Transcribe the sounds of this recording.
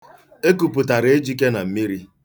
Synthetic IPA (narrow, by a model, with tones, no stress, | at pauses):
e˦ku˨pʊ˨ta˨ɾɪ˨e˦d͡ʒi˦ke˦na˨m̩˦mi˦ɾi˦